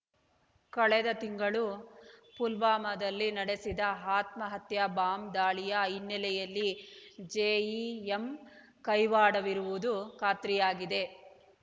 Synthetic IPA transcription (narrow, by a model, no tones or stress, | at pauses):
kɐɭɛd̪ɐt̪iŋɡɐɭupulʋaːmɐd̪ɐlːinɐɽesid̪ɐɦaːt̪mɐɦɐt̪jɐbaːmd̪aːɭijɐjinːɛlɛjɐlːid͡ʒeːiem | kɐjʋaːɽɐʋiɾuʋud̪ukaːt̪ɾijaːɡid̪e̞